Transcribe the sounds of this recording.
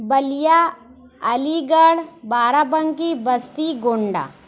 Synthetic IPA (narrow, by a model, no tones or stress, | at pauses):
bɐlija | ɐliɡəɭbaːɾapəŋkibəst̪iɡoːɳɖa̰ː